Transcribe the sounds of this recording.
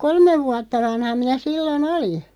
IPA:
kolmeʋ ʋuɑtːɑ ʋɑnhɑ minæ silːon oli

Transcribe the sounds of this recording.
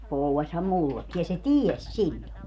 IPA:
pouwːɑsʲhɑm mulːekːi jɑ se tiesʲ silʲːo

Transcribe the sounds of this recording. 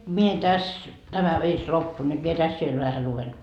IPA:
mie tæs tæmæ ʋirs lopːu nyt mie tæs ʋiel ʋæhæ luʋen

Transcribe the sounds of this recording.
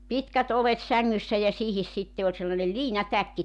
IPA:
pitkæt olet sæŋːysːæ jɑ siːhis sitːe olʲ selːɑnel liːnɑtækːi

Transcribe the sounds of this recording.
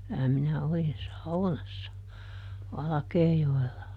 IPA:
kylæ minæ olin sɑunɑsːɑ ʋɑlɑ̆keːjoelːɑ

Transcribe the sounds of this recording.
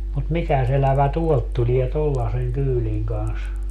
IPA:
mut mikæs elæʋæ tuolt tulie tolːɑseŋ kyːliŋ kɑns

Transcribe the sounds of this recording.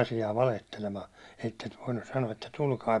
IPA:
ɑsiɑː ʋɑlehtelemɑː etːet ʋoinːus sɑnoɑ etːæ tulkɑi

